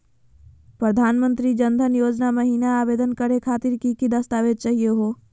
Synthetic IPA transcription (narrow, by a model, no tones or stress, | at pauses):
pɾəd̪ʱaːnmə̃nt̪ɾid͡ʒə̃nd̪ʱənjoːd͡ʒnamɐɦiːnaaːbeːd̪ənkəɾekʰaːt̪ɪɾkikid̪ɐst̪aːʋeːd̪̚t͡ʃaːɦieɦoː